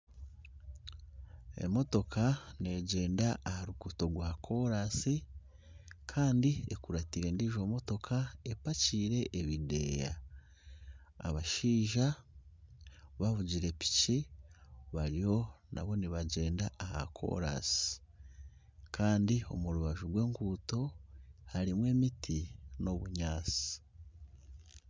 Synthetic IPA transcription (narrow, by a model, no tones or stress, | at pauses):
e̞̰mo̞to̞kʰane̞ɟe̞ːndaːhaɾukuto̞ɡwaːkʰo̞ɾasi | kʰaːndiekuɾatiɾe̞ːndiʒo̞mo̞to̞kʰaepaciːɾe̞ʔːβide̞̰ja̰ | βaʃiːʒa | βaβuɟiɾe̞pi̥ci | βaɾijo̞na̰βo̞niβaɟe̞ːndaːha̰kʰo̞̰ɾa̰si̥ | kʰaːndio̞̰muɾuβaʒuɡwe̞ːŋɡuːto̞haɾimwe̞ːmitʰino̞βuɲaːt͡si̥